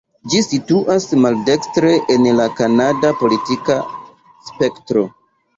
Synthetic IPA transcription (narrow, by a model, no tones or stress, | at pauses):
d͡ʒisituʔasmalde̞kstɾe̞ʔenlakanadapo̞litika | spe̞ktɾo̞